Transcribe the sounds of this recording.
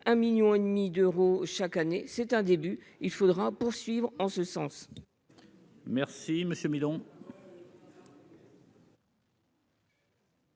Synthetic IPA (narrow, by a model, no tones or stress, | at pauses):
ɛ̃miljɔ̃ed̪mid̪øʁoʃakanesɛt̪ɛ̃d̪eby | ilfod̪ʁapuʁsɥivʁɑ̃səsɑ̃s | mɛʁsiməsjømid̪ɔ̃